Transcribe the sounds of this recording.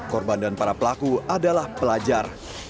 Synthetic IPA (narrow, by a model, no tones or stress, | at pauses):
kɔrbandanpaɾapəlakuadalahpəlad͡ʒar